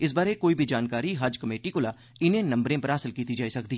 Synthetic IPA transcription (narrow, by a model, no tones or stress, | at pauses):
ɪs̬baːɾekoːibʱid͡ʒaːnkaːɾiɦad͡ʒkɐmeːʈikolaː | ɪnẽnɐ̃mbɾẽpɐɾaːsɪlkiːt̪id͡ʒaːisɐk̚d̪iː